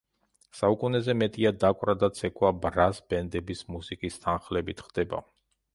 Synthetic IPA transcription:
saukʼunɛzɛmɛt̪ʼiad̪akʼwɾad̪at̪sʰɛkʰʼwabɾasbɛnd̪ɛbismusikʼist̪ʰanχlɛbit̪ʰχd̪ɛba̰

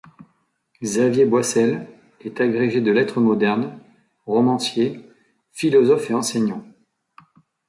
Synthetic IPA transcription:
ɡzavjebwasɛl | ɛt̪aɡʁeʒed̪əlɛt̪χəmɔd̪ɛʁn | ʁɔmɑ̃sje | filɔzɔfeɑ̃sɛɲɑ̃

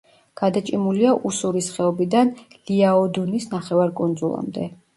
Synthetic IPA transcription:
ɡ̥ad̪at͡ʃʼimuliaʔusuɾisχɛɔbid̪anliaɔd̪unisnaχɛvaɾkʼund̪zulˠa̰md̪ɛ

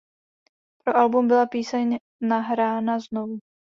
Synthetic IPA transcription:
pɾo̞ʔalbumbɪlapiːsɛɲ | naɦɾaːnaznovu

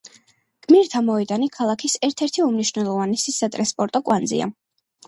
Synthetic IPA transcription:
ɡ̥miɾt̪ʰamɔɛd̪anikʰalˠakʰisɛɾt̪ʰɛɾt̪ʰiumniʃvnɛlˠɔvanɛsisat̪ʼɾanspʼɔɾt̪ʼɔkʼwand̪zḭa̰

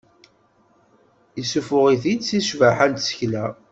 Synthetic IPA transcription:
isufʊʁiθid̪t͡sːiʃvaħænt̪sə̥çlæ

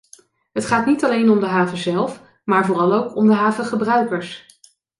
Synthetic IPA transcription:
ɦətχaːtnitɑlejnɔmdəɦaːvəzɛlˠf | maːɹvʊːrɑlˠowkɔmdəɦaːvəχəbrœɥkəɹs

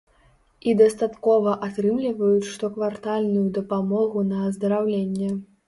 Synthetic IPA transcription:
id̪ɐst̪at̪kɔvɐʔat̪ɾɨmlʲivɐjut͡sʂt̪ɔkvart̪alʲnujud̪ɐpamɔɣunɐːzd̪ɐɾawlʲenʲːɛ

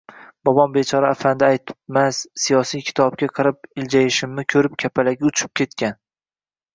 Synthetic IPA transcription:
b̥ɒbɒnbe̞t͡ʃʰɒɾaːfand̪aajt̪ʰɪ̥pmassijɒsijkʲʰɪ̥t̪ʰɒb̚kʲaqʰɨɾɪpɪld͡ʒajɪʃɪmːɪkʲʰɵɾɪp̚kʲʰapʰalaɡʲaʊt͡ʃʰɪ̥p̚kʲʰe̞t̪kʲan

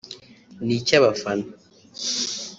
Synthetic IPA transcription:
nit͡ʃaβafan

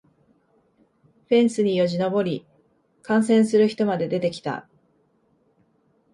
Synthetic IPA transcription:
ɸẽ̞ɰ̃sɨɲ̟ijo̞ʑino̞bo̞ɾʲi | kãɰ̃sẽ̞ɰ̃sɨɾɯ̟çi̥t̪o̞mad̪e̞d̪e̞t̪e̞kʲi̥t̪a̰

